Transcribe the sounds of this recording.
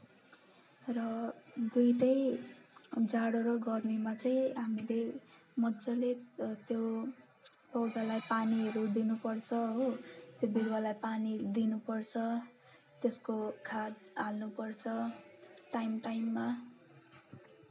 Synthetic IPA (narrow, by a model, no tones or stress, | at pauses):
rʌd̪ujʈʌj | d͡zaɽoɾoɡʌrmimat͡sʌj̃ɦamile | mʌdt͡sʌlet̪jo | pʌwd̪alajpaniɦʌɾud̪inupʌrt͡sʰʌɦot̪jobiɾwalajpanid̪inupʌrt͡sʰʌ | t̪eskokʰad̪alnupʌrt͡sʰʌʈajmʈajmːa